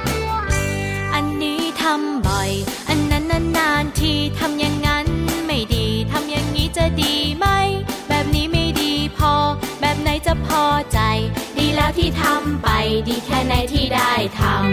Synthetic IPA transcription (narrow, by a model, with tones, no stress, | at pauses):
ʔa˧nːiː˦˥t̪ʰa˧mbɔ˨˩jʔa˧nːa˦˧˥nːa˧˥nːaː˧nt̪ʰiː˧˩t̪ʰa˧mja˧ŋːa˦˥nma˥˩jdiː˨˧t̪ʰa˧mja˨˧˩ŋːiː˦˥t͡ɕa˧˩diː˨˧ma˥˩jbɛː˨˩p̚niː˦˥ma˥˩jdiː˧pʰɔː˧bɛː˨˩p̚na˧˥jt͡ɕa˧˩pʰɔː˧t͡ɕa˧jdiː˧lɛː˦˥wt̪ʰiː˥˩t̪ʰa˧mpa˨˧jdiː˨˧kʰɛː˧˥˩na˨˦˥jt̪ʰiː˥˩daː˥˩jt̪ʰa˧m